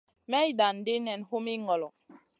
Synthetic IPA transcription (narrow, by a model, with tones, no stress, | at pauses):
mɛ˦i˦da˨n̩˨de˦nɛ˨nho˦mi˦ŋɔ˨lɔ˨